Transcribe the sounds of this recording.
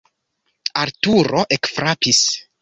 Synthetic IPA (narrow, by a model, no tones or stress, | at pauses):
aɾtuɾo̞ʔekfɾapis